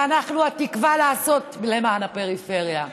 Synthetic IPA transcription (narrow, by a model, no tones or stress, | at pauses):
anaχnuatikvalaːso̞tilemaːnape̞ʁife̞ʁja